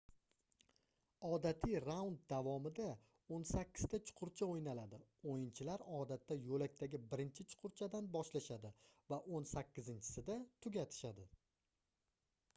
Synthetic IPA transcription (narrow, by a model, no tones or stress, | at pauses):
ɒd̪at̪ʰɪɾawnd̪̚d̪avɒmɪd̪a | onsakʲːɪ̥z̥t̪at͡ʃʰʊ̥qʰʊɾt͡ʃʰaojnalad̪ɪojɪnt͡ʃʰɪlaɾɒd̪at̪ʰːajolak̚ʲt̪ʰaɡʲɪbɪɾɪnt͡ʃʰɪt͡ʃʰʊ̥qʰʊɾt͡ʃʰad̪anbɒʃlaʃad̪ɪvaʔonsakʲʰːɪzɪnt͡ʃʰɪ̥sɪd̪at̪ʰʊɡʲat̪ʰɪ̥ʃad̪ɪ